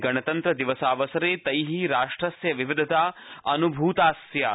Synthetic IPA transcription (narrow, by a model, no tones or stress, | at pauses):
ɡɐɳɐt̪ɐnt̪ɾɐd̪iʋɐsaːʋɐsɐɾeːt̪ɐjɦiɾaːʂʈɾɐsjɐʋiʋid̪ʱɐt̪aːɐnubʱuːt̪aːsja